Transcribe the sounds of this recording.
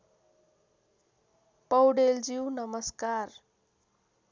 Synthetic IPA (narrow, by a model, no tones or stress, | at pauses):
pʌwɖeld͡ziwnʌmʌskar